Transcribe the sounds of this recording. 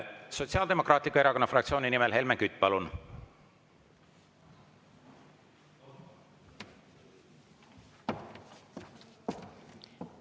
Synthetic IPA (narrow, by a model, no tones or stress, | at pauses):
so̞t̪ʲsiɑːld̪̥e̞mo̞krɑːt̪likːɑe̞ɾɑko̞nːɑfrɑkt̪sio̞ːninimelɦe̞lmeŋkyt̪ːˑpɑlun